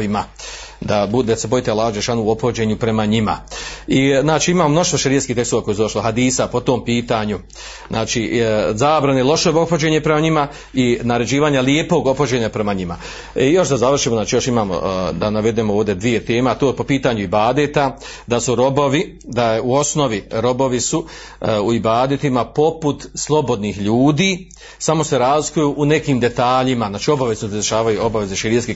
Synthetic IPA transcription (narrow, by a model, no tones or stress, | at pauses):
ima | d̪abud̪esebo̞jt̪ealːaːhad͡ʒelʃaːnuuo̞pxod͡ʑe̞ːɲupɾe̞maɲima̰iznaːt͡ʃiːimaːmomno̞ʃt̪ʋoʃeɾijet̪skiːht̪ekst̪oakoesud̪oʃloɦad̪iːsapo̞t̪o̞ːmpiːt̪aɲu | znʔaːt͡ʃiːzaːbɾanelo̞ʃobopxod͡ʒe̞ɲepɾe̞maɲima | inaɾe̞d͡ʑiːʋaːɲalie̞po̞ɡo̞pxod͡ʑe̞ɲapɾe̞maɲima | ijo̞ʃd̪azaʋr̩ʃiːmoznaːt͡ʃiːjo̞ʃimaːmo̰d̪anaʋe̞d̪emooːvd̪e̞d̪ʋije̞t̪e̞ːmeat̪opo̞piːt̪aɲuibaːd̪et̪a | d̪asuɾo̞bo̞ʋi | d̪ajuo̞sno̞ʋiɾo̞bo̞ʋisu | uibaːd̪et̪imapo̞put̪slˠo̞bo̞d̪niːxʎuːd̪iː | samo̞se̞ɾaːzlikujuːʔune̞kiːmd̪e̞t̪aːʎimaznaːt͡ʃio̞baʋe̞znosed̪eʃaːʋajuo̞baʋe̞ze̞ʃiɾieski